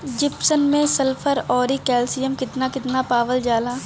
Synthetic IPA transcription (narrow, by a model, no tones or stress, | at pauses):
d͡ʒɪpsənmẽsɐlpʰəɾɔːɾikɛːlsijəmkɪt̪nakɪt̪napaːʋəld͡ʒaːlaː